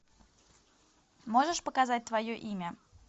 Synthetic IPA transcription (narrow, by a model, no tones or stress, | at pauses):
moʐəʂpəkazat̚ʲt̪vɐjoʔimʲə